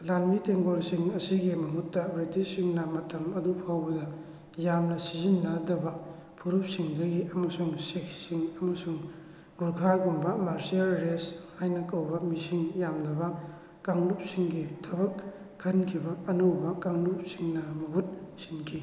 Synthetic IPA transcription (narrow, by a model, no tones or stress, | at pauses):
lanmiteŋɡolsiŋɐsiɡimɐɦutːɐbɾitisiŋnɐmɐtʰɐmɐdupʰawbɐdɐ | jamnɐsizinːɐdɐbɐ | pʰuɾup̚siŋdɐɡiʔɐmɐsuŋseksiŋɐmɐsuŋ | ɡuɾkʰaɡumbɐmaɾsialɾeshajnɐkɐwbɐmisiŋjamdɐbɐ | kaŋlup̚siŋɡitʰɐβɐk̚ʰː | ɐnkʰibɐɐnowbɐkaŋlup̚siŋnɐmɐɦut̚sinkʰi